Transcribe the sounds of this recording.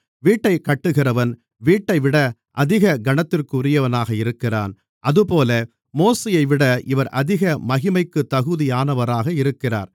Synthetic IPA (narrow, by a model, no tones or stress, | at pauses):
ʋiːʈːɐɪkɐʈːɯɣɪrɐʋɐn | ʋiːʈːɐɪʋɪɽɐ | ʔɐðɪɣɐɡɐɳɐt̪ːɪrkɯʊrɪjɐʋɐnaːɣɐɪɾɯkːɪra̰ːn | ʔɐðɯpoːlɐ | moːsejɐɪʋɪɽɐʔɪʋɐɾʔɐðɪɣɐmɐɣɪmɐɪkːɯt̪ːɐɣɯðɪjaːnɐʋɐɾaːɣɐɪɾɯkːɪra̰ːɾ